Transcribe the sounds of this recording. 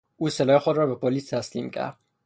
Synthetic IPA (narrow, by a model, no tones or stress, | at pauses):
uːselɒːjexod̪ɾɔːbepʰolist̪ʰæslḭmcʰæ̰ɾd̪̥